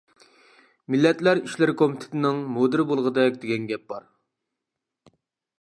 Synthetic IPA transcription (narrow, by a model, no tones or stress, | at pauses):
milːɛt̪læɾiʃlɪɾkʰomit̪ʰɪ̥t̪ʰɪnɪŋmod̪ɨɾbolˠʁəd̪ɛkʲd̪eɡʲɛnɡʲɛp̚bɑɾ